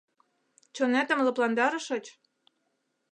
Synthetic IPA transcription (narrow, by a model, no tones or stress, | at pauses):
t͡ɕonæt̪ə̆mlɤ̆plɑnd̪ɑɾɤ̆ʃɤ̆t͡ɕ